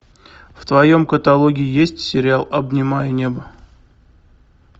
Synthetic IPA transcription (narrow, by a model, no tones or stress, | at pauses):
ft̪vɐjo̞mkət̪ɐlˠoɡʲɪɪjesʲtʲsʲɪɾʲɪalˠɐbnʲɪmajənʲe̞bə